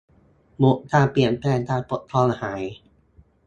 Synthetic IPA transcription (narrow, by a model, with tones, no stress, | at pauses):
mu˦˥ʔt̪aː˧˥˩pli˨˩ənplɛː˧˥˩ŋt̪aː˧˩po˨˦˩t̪ʰːɔː˧˥˩ŋa˧haː˩˦j